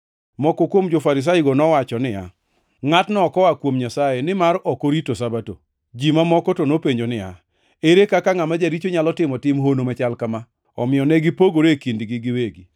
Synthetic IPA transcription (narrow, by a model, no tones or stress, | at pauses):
mɔkokwomd͡ʒofaɾɪs̬aɪɡɔnɔwat͡ʃɔnɪa̰ | ŋatnɔːkɔakwomɲasajenɪmaɾɔkoɾitosabato̰ | d͡ʒimamɔkɔtonopeɲd͡ʒonɪja̰ | eɾekakaŋamad͡ʒaɾit͡ʃoɲalɔtɪmɔtɪmɦonomɛt͡ʃalkama | ɔ̰mɪɔnɛɡɪpoɡoɾekindɡɪɡɪweɡi